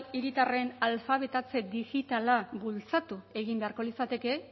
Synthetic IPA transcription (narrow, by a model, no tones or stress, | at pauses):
iɾit̪are̞nalfaβ̞e̞t̪at͡se̞d̪iɣit̪alabult͡sat̪ue̞ɣ̞imbe̞aɾko̞lisat̪e̞ke̞